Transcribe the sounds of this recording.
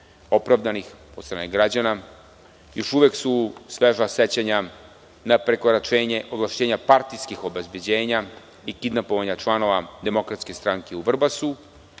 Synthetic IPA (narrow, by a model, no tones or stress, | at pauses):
o̞pɾaʋd̪anixost̪ɾaːneɡɾad͡ʑana | jo̞ʃuʋjeksusʋeʒaset͡ɕaɲa | napɾekoɾat͡ʃeːɲeʔoʋlˠaʃt͡ɕeːɲapaɾt̪ijskixo̞be̞zbje̞d͡ʑe̞ːɲa | ikid̪napoʋaɲat͡ʃlˠano̞ʋad̪e̞mo̞kɾat̪skest̪ɾaŋkeuʋr̩basu